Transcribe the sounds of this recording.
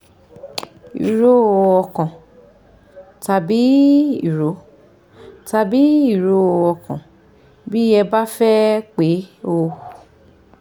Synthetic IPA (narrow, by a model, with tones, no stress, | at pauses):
ḭ˨ɾo˦˧˨ɔ˧kã˨ | ta˨bi˨˦i˦˨ɾo˨˦ | ta˧bi˨˦i˦˨ɾo˨˦o˧ɔ˧kã˨ | bi˦ɛ˧ba˦fɛ˦k͡pe˨˦o˧˨